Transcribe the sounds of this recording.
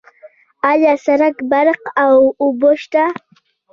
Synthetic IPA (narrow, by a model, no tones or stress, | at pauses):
aʎasaɾakbaɾqawʊboʃt̪a